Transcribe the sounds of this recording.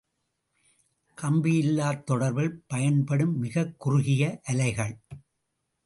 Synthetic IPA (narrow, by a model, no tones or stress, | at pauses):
kɐmbɪjɪlːaːt̪ːɔɽɐɾʋɪlpɐjɐnpɐɽɯmːɪɣɐkːʊɾʊɣɪjɐʔɐlɐɪɣɐɭ